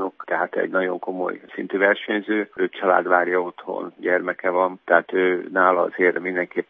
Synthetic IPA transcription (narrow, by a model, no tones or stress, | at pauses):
okt̪ɛɦat̪ɛ̰ɟnɒɟo̞ŋko̞mo̞̰jsint̪yːvɛrʃɛɲzøːøːt͡ʃɒla̰ːd̪ʋaːrjɒo̞t̪ho̰nɟɛrmɛkɛvɒnt̪ɛɦaːt̪øːnaːlɒɒ̰zeːrmind̪ɛŋkeːpː